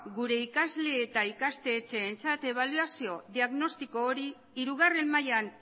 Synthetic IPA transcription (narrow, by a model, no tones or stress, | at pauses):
ɡuɾe̞ikazle̞ːt̪aikast̪e̞ːt͡se̞ːnt͡sat̪e̞β̞aluasio̞ðiaɣno̞st̪iko̞ːɾi | iɾuɣare̞mmajan